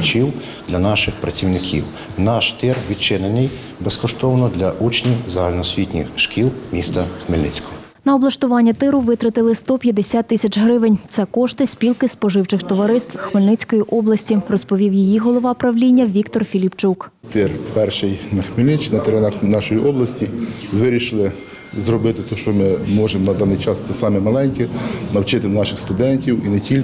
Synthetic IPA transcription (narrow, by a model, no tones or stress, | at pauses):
t͡ʃiw | d̪lʲɐnɑʃɪxpɾɐt͡sʲiwnɪkʲʰḭw | nɑʃt̪ɪrʋʲit͡ʃɪnenɪj | beskɔʃt̪ɔwnɔd̪lʲɐʔut͡ʃnʲiwzɐɦɐlʲnɔsʲʋʲitʲnʲḭxʃkʲilˠmʲist̪ɐxmɪlʲnɪ̰t͡sʲkɔ̥ɔ | nɐɔblˠɐʃt̪ʊʋɑnʲːɐt̪ɪɾʊʋɪt̪ɾɐt̪ɪlˠɪst̪ɔpʲjɐd̪esʲat̪ːɪsʲɐt͡ʃɦɾɪʋɪnʲt̪sɛkɔʃt̪ɪsʲpʲilˠkɪspɔʒɪwt͡ʃɪxt̪ɔʋɐɾɪst̪ʋ̥xmɪlʲnɪt͡sʲkɔjiʔɔblˠɐsʲtʲirɔspɔʋʲiwjijiɦɔlˠɔʋɑpɾɐʋlʲinʲːɐʋʲikt̪ɔrfʲilʲipt͡ʃuk | t̪ɪrpɛrʃɪjnɐxmɪlʲnɪt͡ʃnɐt̪eɾɛnɑxnɑʃɔjiʔɔblˠɐsʲtʲiʋɪɾʲiʃɪlˠɪ | zrɔbɪt̪ɪt̪ɔʃt͡ʃɔmɪmɔʒemɔnɐd̪ɑnːɪjt͡ʃɑst̪sɛsɑmɛmɐlˠɛnʲkʲɛnɐwt͡ʃɪt̪ɪnɑʃɪxst̪ʊd̪ɛnʲtʲiwinetʲilʲ